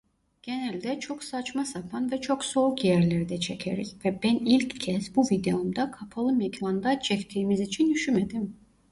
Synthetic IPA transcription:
ɟ̥enælʲd̪ɛt͡ʃʰo̞ksat͡ʃmasapʰanvɛt͡ʃʰo̞kso̞ɾkjæɾlʲeɾd̪ɛt͡ʃʰecʰḛɾḭcvɛbænilʲccʰːɛsbuvid̪eomd̪akʰapʰalˠɯmɛcvand̪at͡ʃʰɛft̪ʰiːmizit͡ʃʰind̪yʃymed̪im

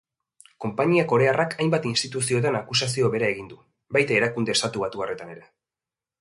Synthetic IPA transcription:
ko̞mpaɲiako̞ɾe̞arakʰajmbat̪inst̪it̪usio̞t̪anakusasio̞βe̞ɾae̞ɣind̪u | bajt̪ae̞ɾakund̪est̪at̪uβ̞at̪uare̞t̪ane̞ɾe̞

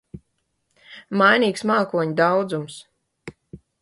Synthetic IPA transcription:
majniːksmaːkuɔɲid̪awd̪zums

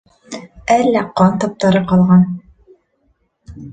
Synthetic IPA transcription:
ælːæqɑnt̪ɒp̚t̪ɑɾɤqɑlˠʁɑn

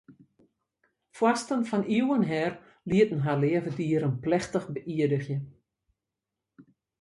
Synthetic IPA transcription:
fwastənfɔniwənɦɛr | liətn̩ɦalɪəvədiːəɾənplɛxtəxbəʔiədəxjə

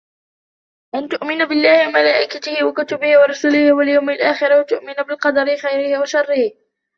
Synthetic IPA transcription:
ʔant̪ʊʔmɪnabɪlːaːhɪwamalaːʔɪkat̪ɪhɪwakʊt̪ʊbɪhɪwɑɾˤɑsuːlɪhwaljawmɪlʔaːxɪɾwat̪ʊʔmɪnabɪlqɑd̪ɑɾɪxajɾɪhɪwaʃɑrˤːɪh

